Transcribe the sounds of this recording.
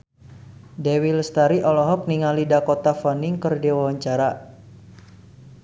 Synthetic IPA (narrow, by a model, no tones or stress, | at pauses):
dɛwilst̪aɾiʔɔlɔɦɔk̚niŋalidakot̪afɔnɪŋkərdewawaɲt͡ʃaɾa